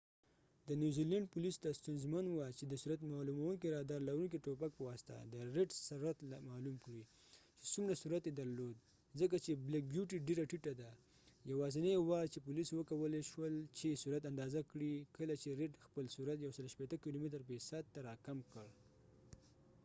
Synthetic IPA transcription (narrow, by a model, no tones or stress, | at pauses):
d̪ənjuzilaɳɖ̚pulisd̪ast̪unzmanwat͡ʃed̪əsuɾat̪mɑlumawunkiɾɑd̪ɑɾlaɾunkiʈopak̚pəwɑst̪a̰d̪əɾeʈsaɾɾat̪lamɑlumkɽi | t͡ʃe̥sumɾasuɾat̪jed̪aɾlod̪̚ | zək̬at͡ʃeblak̚bjuʈiɖeɾaʈiʈad̪a | jawɑzɪnawɑt͡ʃepuliswəkawəleʃwəlt͡ʃesuɾat̪and̪ɑzakɽikəlat͡ʃeɾeʈxpəlsuɾat̪jawsəlʃpet̪əkilomet̪əɾpesad̪̚t̪ːaɾɑkamkəɽ